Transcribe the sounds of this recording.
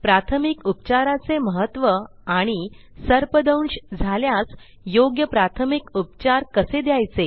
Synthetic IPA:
pɾat̪ʰəmikupt͡ɕaɾat͡seməɦət̪ʋə | aɽ̃i | səɾpəd̪əwɳɕd͡zʱaljas | joɡjəpɾat̪ʰəmikupt͡ɕaɾkəsed̪jajt͡se

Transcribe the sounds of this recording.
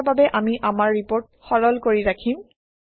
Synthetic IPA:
babɛʔamiʔamaɹːipoɹt̚ | xɔɹɔlkoɹiɹakʰim

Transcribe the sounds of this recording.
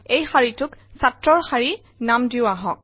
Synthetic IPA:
ejxaɹitʊksatɹɔɹxaɹi | namdiʊaɦɔ̰̃k̚

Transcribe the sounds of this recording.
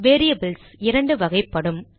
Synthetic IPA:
ʋeːɾijɐbɯlsɪɾɐɳɖɯʋɐɣɐɪpːɐɽɯm

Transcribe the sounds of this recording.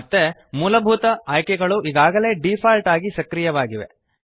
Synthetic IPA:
t̪ːemuːlɐbʱut̪ɐaːjkɛɡɐɭuʔiɡaːɡɐle̞ːɖipʰaːlʈaːɡisɐkɾijɐʋaːɡiʋe̞̰

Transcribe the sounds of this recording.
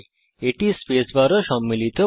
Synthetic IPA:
eʈispesʋaɾɔʃɔmːilit̪ʰo

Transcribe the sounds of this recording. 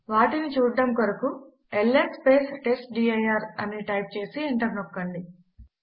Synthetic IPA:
ʋaːʈinit͡ʃuːɖːɐmkoɾɐku | elːekspeːsʈesʈɖiːɐjaːɾɐniʈɐjp̚t͡ʃe̞ːsieɳʈɐɾnɔkːɐɳɖi

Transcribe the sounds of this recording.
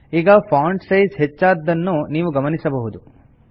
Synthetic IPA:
iːɡɐpʰaːɳɖsɐjsɦet͡ʃːaːd̪ːɐnːuniːʋuɡɐmɐnisɐbɐɦud̪u

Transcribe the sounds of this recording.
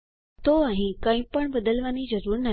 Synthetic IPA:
t̪oaɦĩkaɦĩːpəɳbəd̪əlʋaniːd͡zəɾuːɾna

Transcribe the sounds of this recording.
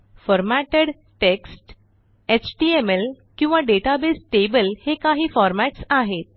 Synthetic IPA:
fəɾmæʈəɽ | ʈeksʈ | et͡ɕʈiemel | kĩw̃ʋaɖeʈabesʈebəlhekaɦiːfɔɾmæʈsaɦet̪̚

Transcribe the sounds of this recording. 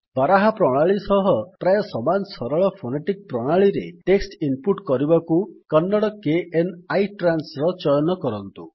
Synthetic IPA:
baɾaɦapɾɔɽ̃aɭisɔɦɔpɾajɔsɔmansɔɾɔɭɔpʰoneʈik̚pɾɔɽ̃aɭiɾḛʈeksʈimpuʈkɔɾibakukɔnːɔɽɔkeʔenajʈɾansɾɔt͡ʃɔjɔnɔkɔɾɔnt̪u

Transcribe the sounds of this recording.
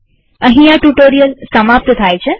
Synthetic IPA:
əɦĩaʈuʈoɾijəlsəmap̚t̪t̪ʰajt͡ʃʰe

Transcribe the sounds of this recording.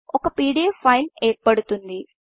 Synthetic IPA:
ɔkɐpiːɽiɐfʰɐjneːɾpɐɽut̪und̪i

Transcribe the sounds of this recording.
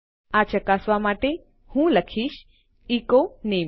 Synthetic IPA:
at͡ʃəkasʋamaʈe | hũləkʰiːʃ | ikoneː

